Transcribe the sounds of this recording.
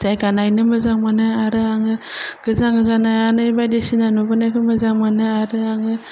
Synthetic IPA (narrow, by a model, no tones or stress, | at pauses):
zajɡanajnɯmɯzaŋmanɯaɾɯaŋɯɡ̥ɯzaŋɡɯzanajanaibajdesinanubanakɯmazaŋmanɯaɾɯaŋɯ